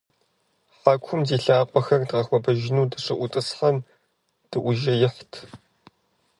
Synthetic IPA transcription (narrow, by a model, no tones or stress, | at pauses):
ħakʷʰʊmziːɬaːqʷʼɔxɐrdʁɐxʷɔbɐʒɪnuːdɐʂɨʔʷʊtʼɨsħɐm | d̥ɨʔʷʊʒɐjɪħʷtʰ